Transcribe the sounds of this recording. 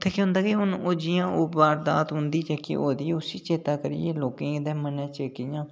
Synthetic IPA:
t̪ʰːeːkõɦʊ̃nd̪aːkɪɦʊnoːd͡ʒɪjãːʔʊbaːɾd̪a̰ːt̪ɦʊnd̪iːt͡ʃɛːkɪ̰ʔoːd̪iːʊsiːt͡ʃeːt̪aːkəɾḭjeːloːkẽːɪd̪ɛ̃ːmənɛ̃ːt͡ʃeːkijãː

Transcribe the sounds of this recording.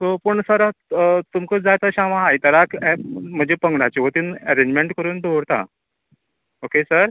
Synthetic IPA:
sopəɳsəɾt̪umkəd͡zajt̪əɕaʋãɦajt̪əɾakɛm̤əd͡ʑepəŋɡɳat͡ɕiʋət̪iːnɛɾẽɲd͡ʑmeɳʈkəɾuːnd̪ʱoɾt̪a̰ | okesəɾ

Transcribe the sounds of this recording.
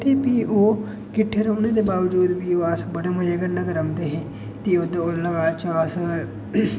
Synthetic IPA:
t̪ʰeːpiːʔoː | kɪʈʰːeːɾoːnẽːd̪eːbaːʋd͡ʒuːd̪biːoːəsbəɽaːməjaːɡənɖaːkəɾəmd̪eːɦeː | t̪iːoːd̪aoːləɡaːt͡ʃaːs

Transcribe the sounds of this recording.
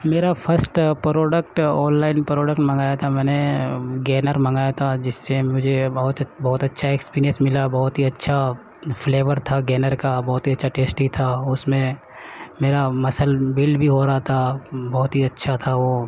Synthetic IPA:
meːɾapʰəɾsʈpɾoːɖək̚ʈɔːnlaːɪnpɾɔːɖəkʈmɐ̃ŋɡaːjat̪ʰamɛːneɡɛːnəɾmɐ̃ŋɡaːjat̪ʰad͡ʒɪsːemʊd͡ʒʱebɐɦʊt̪bɐɦʊt̪ɐtːʃʰaeːkspiːɾijə̃nsmɪlabɐɦʊt̪ɦiɐtːʃʰa | fleːʋəɾt̪ʰaɡɛːnəɾkabɐɦt̪ɦiɐtːʃʰaʈeːsʈɦit̪ʰaʊsmẽ | meːɾamɐsəlbɪlbʱiɦoɾaɦat̪ʰabɔɦʊt̪ɦiɐtːʃʰat̪ʰaʋoː

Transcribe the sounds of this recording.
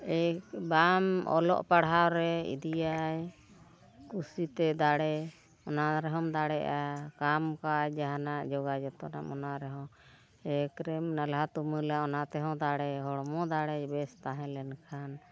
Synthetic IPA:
ɛkbamɔ̰lɔ̰ʔpaɽɦawɾɛḭd̪ijaj | kusit̪ɛd̪aɽɛ | ɔnaɾɛɦɔmd̪aɽɛʔakamkajd͡ʒaɦanaʔd͡ʒɔɡad͡ʒɛt̪ɔna̰ʔmɔnaʔɾɛɦɔ̃ | ɛkɾɛmnalɦat̪uməlaɔnat̪ɛɦɔ̃d̪aɽɛɦɔɽmɔd̪aɽɛbɛst̪aɦɛ̃lɛnkʰan

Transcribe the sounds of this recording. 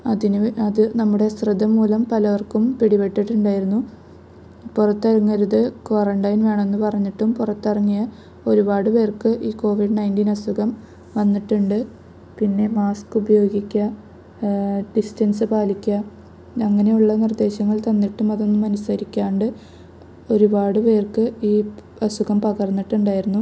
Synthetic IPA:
ɐðinɐðɨnɐmːuɽe̞srɨd̪ʱɐmːuːlɐmpɐlɐʋɐrkumpiɽiʋeʈːiʈːuɳɖaːjiɾunːu | purɐt̪ːɐrɐŋːɐɾuðɨkʋɐrɐɳɖɐjnʋe̞ːɳɐmenːupɐrɐɲːiʈːumpurɐt̪ːɐrɐŋːijɐ | o̞ɾubaːɽɨpe̞ːrkɨʔiːko̞ːʋiɖɨnɐjndiːnɐsuɣɐm | ʋɐnːiʈːuɳɖɨ | pinːe̞maːskubɐjo̞ːɡikʲːɐ | ɖistɐnsɨpaːlikʲːɐ | ɐŋːɐne̞juɭːɐnird̪e̞ːɕɐŋːɐɭt̪ɐnːiʈːumɐðo̞nːumɐnusɐɾikʲːaːɳɖɨ | o̞ɾubaːɽɨpe̞ːrkɨiː | ɐsuɣɐmpɐɣɐrnːiʈːuɳɖaːjiɾunːu

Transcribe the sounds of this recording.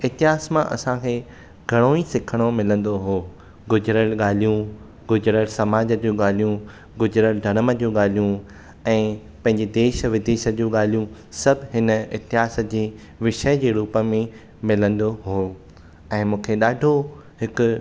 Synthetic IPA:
ɪɦt̪ɪɦaːsmãʔɐ̰sãkʰeː | ɡʱɐɽ̃oːisɪkʰəɽ̃omɪlə̃nd̪oɦoː | ɡʊd͡ʑɾəlɠaːl̤ijũ | ɡʊd͡ʑɾəɽsɐmaːd͡ʑəd͡ʑũːɠaːl̤ijũ | ɡʊd͡ʑɾəɽɖ̪ʱɐɾ̃əmə̆d͡ʑũːɠaːl̤ijũ | ɛ̃ː | pɐ̃ɦɪ̃ɲd͡ʑed̪eːʃə̆ʋɪd̪eːʃə̆d͡ʑuːɠaːl̤ijũ | sɐbʱɦɪnəɪɦt̪ɪɦaːsə̆d͡ʑeː | ʋɪʃəd͡ʑeːɾuːpəmẽ | mɪlə̃nd̪oɦoː | ɛ̃ːmũːkʰeɗaːɖʱo | ɦɪkʊ̆

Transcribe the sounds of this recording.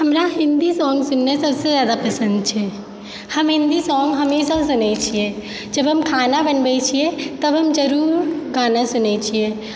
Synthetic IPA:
ɦəmɾaɦind̪isɔ̃ŋɡsunːesəbsẽzjad̪apəsə̃nd̪̚t͡ʃʰɛ | həmɦĩnd̪isɔ̃ŋɡɦəmesas̬unɛt͡ʃʰije | d͡ʒəbɦəmkʰanabənbɛt͡ʃʰijet̪əbɦəmd͡ʒəɾuɾɡanasunɛt͡ʃʰije

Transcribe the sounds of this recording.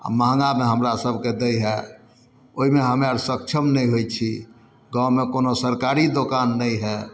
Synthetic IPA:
a̰məɦŋɡameɦəmɾasəbʱked̪ɛjɦɛ | oɦimeɦəmaɾsək̚t͡ʃʰəmnəjɦojt͡ʃʰi | ɡãwmekonosəɾkaɾid̪okanːəjɦɛ

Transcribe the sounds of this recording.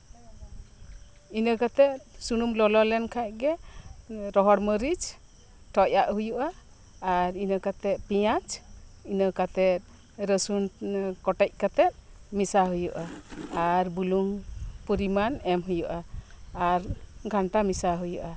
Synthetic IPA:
inəkat̪ɛt̪̚suɽumlɔlɔlɛnkʰaʔ̚ɡɛ | ɾɔɦɔɽməɾid͡ʒ | ʈʰɔcaʔɦujuʔaː | ɾinəkat̪ɛt̪̚pijat͡ʃinəkat̪ɛt̪̚ | ɾəsunkɔʈɛc̚ˀkat̪ɛt̪̚ˀ | misaɦujuʔaaɾbuluŋpuɾimanɛmɦujuʔaː | ɾɡʱaɳʈamisaɦujṵʔa

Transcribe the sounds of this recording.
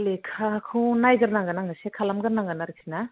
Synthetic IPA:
lekʰakʰunajɡɯɾnaŋɡanaŋɡasekʰalamɡɯɾnaŋɡanaɾik̚sʰina

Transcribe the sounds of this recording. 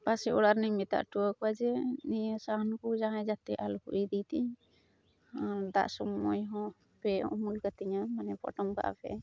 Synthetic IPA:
pasɛʔɔɽaɾniɲmit̪a̰ʔʈuwakɔwad͡ʒɛnijəsaɦɔnkud͡ʒaŋajd͡ʒat̪ɛʔalukuʔid̪it̪iɲ | ad̪a̰ʔsɔmːɔjɦɔ̃ | pɛumulkat̪iɲamanɛpɔ̰ʈɔmka̰ʔa̰pɛ̰

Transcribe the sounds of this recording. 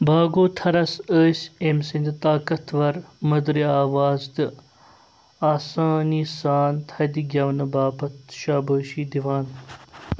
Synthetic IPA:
bʱaːɡoːt̪ʰɐɾɐsəːsemsind̪t̪aːkɐt̪ʰʋɐɾmɐd̪ɾiaːʋaːzd̪ɨ | aːsaːniːsaːnt̪ʰɐd̪iɡʲɐʋnɐbaːpɐt̪ʃaːbəːʃiːd̪iʋaːn

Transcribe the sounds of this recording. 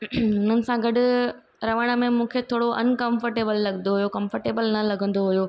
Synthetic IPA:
ʊn̤ənɪ̆sãɡɐɗʊ̆ | ɾɐʋəɽ̃ə̆mẽmũːkʰet̪ʰoːɽoʔɐ̰nkɐ̃mfəɾʈeːbəlːɐɡə̃nd̪oɦujokɐ̃mfəɾʈeːbəlnɐːɐɡʱə̃nd̪oɦʊjoː

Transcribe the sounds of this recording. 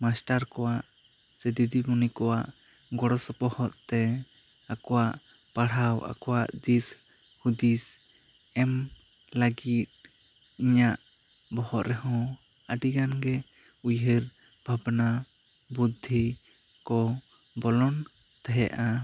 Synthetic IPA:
masʈaɾkɔwaʔ | sɛd̪id̪iɡunikɔwaʔɡɔɽɔsɔpɔhɔt̪t̪ɛakɔwaʔpaɽ̤awa̰kɔwaʔd̪is | hud̪is | ɛm | laɡit̪̚iɲaʔ | bɔhɔʔɾɛɦɔ̃əɖiɡanɡɛ | ujɦiɾ | bʱabna | bud̪ʱːi | kɔ | bɔlɔnt̪ɛɦɛʔa

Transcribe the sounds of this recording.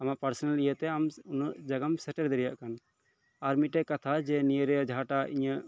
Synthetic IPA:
amaʔpaɾsɔnalijət̪ɛamunəʔd͡ʒaɡamsɛʈɛɾd̪ɛɾɛja̰ʔkan | aɾmiʈɛʔkat̪ʰad͡ʒɛnijəɾɛd͡ʒʱaʈaḭɲə

